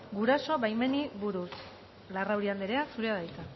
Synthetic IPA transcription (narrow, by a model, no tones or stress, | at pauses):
ɡuɾaso̞βajme̞niβuɾus | larawɾiand̪eɾe̞asuɾe̞aðajt̪a